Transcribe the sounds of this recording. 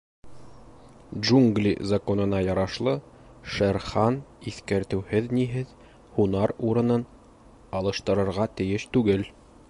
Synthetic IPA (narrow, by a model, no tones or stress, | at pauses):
ʒuŋɡlʲḭzɐko̞nɤ̆nɑjɑɾɑʃlˠɤ | ʃæɾχɑniθkæɾt̪ɘ̆whɘðniɦɘð | hunɑɾuɾɤ̆nɤn | ɑlˠɤ̆ʃt̪ɤ̆ɾɤ̆ɾʁɑt̪ɘ̆jɘʃt̪ʉɡɘl